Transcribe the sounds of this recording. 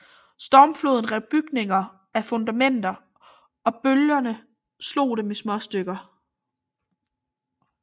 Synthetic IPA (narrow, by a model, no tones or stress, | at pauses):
sd̥ɒːmflo̝ːð̞ˠn̩ʁɛʊb̥yɡ̥ne̝ŋɐ | æfɔ̽nd̥æmen̰d̥ɐ | ɒ̽b̥øljɐnə | slo̝̰ːd̥emesmɒ̽sd̥øɡ̥ɐ